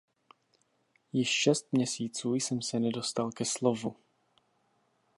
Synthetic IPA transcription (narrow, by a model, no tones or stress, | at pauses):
jɪʃʃɛst̪̚mɲɛsiːt͡suːjsɛmsɛnɛdo̞st̪alkɛslo̞vu